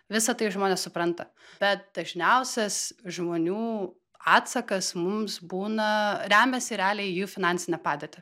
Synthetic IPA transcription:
ʋʲɪsɐt̪ɐɪʒmoːnʲɛːssʊpɾɐnt̪ɐb̥ʲɛt̪̚d̪̥ɐʒʲnʲɛʊsʲɛsʒmoːnʲuː | ɑːt̪sɐkɐsmʊmsbuːnɐɾʲæːmʲɛsʲɪɾʲæːlʲɛijuːfʲɪnɑnʲsʲɪnʲɛpɑːd̪ʲeːt̪ʲɪ

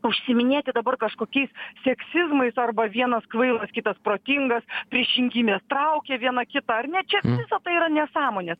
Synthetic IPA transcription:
ʊʃʲsʲɪmʲɪnʲeːt̪ʲɪd̪ɐbɐrkɐʃkoːkʲɛɪssʲɛksʲɪzmɐɪsɐrbɐʋʲiɛnɐskʋɐɪlˠɐskʲɪt̪ɐspɾoːt̪ʲɪŋɡɐspʲɾʲɪʃʲɪŋʲɡʲɪmʲeːst̪ɾɐʊkʲɛʋʲiɛnɐkʲɪt̪ɐɐrnʲɛt͡ʃʲɛʋʲɪsɐt̪ɐɪiːɾɐnʲɛsɑːmoːnʲeːs

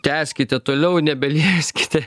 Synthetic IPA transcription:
t̪ʲæːsʲkʲɪt̪ʲɛt̪oːlʲɛʊnʲɛbʲɛlʲiɛsʲkʲɪ̥t̪ʲɛ

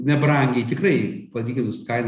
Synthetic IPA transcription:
nʲɛbrɐŋʲɡʲɛɪt̪ʲɪkrɐɪpɐlʲiːɡʲɪnʊskɐɪn

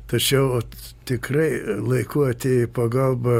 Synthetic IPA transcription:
t̪ɐt͡ʃʲɛʊ | t̪ʲɪkrɐɪlˠɐɪkuɐt̪ʲeipɐɡɐlˠbɐ

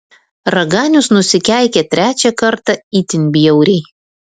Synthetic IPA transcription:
ɾɐɡɑːnʲʊsnʊsʲɪkʲæˑɪkʲɛt̪ʲɾʲæːt͡ʃʲɛkɐɾt̪ɑiːt̪ʲɪnʲbʲɪjɛʊɾʲɛɪ

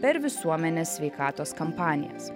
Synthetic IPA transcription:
pʲɛɾʋʲɪsuɔmʲɛnʲeːsʲʋʲɛɪkɑːt̪oːskɐmpɑːnʲɪ̰jɛ̰s

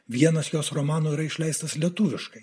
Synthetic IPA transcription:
ʋʲiɛnɐsjoːsɾomɑːnoːiɾɐɪʃʲlʲɛɪst̪ɐslʲiɛt̪ʊʋʲɪʃkɐɪ

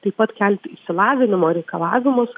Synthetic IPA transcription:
t̪ɐɪpɐt̪kʲɛlʲt̪ʲɪʃsʲɪlˠɑːʋʲɪnʲɪmoːɾʲɛɪkɐlˠɑːʋʲɪmʊs

